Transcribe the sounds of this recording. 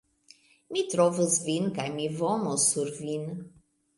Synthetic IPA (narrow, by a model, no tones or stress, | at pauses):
mit̪ɾɔvəzvinkajmivɔmɔsuɾvin